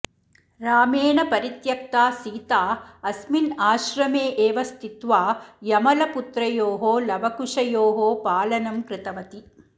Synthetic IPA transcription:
ɾaːmeːɳɐpɐɾit̪jɐk̚t̪aːsiːt̪aːɐsminaːʃɾɐmeːʔeːʋɐst̪ʰit̪ʋaːjɐmɐlɐput̪ɾɐjoːɦoːlɐbʱɐkuʂɐjoːɦoːpaːlɐnɐmkɾɪt̪ɐʋɐt̪i

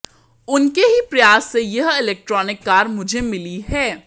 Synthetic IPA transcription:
ʊnkeɦipɾɐjaːsːejɐɦɪlɛːk̚ʈɾɔːnɪkːaːɾmʊd͡ʒʱemɪliɦɛː

